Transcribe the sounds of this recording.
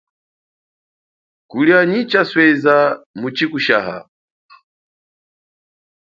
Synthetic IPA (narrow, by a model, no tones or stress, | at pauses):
kuliaɲit͡ʃaswɛzamut͡ʃikuʃaːɦa̰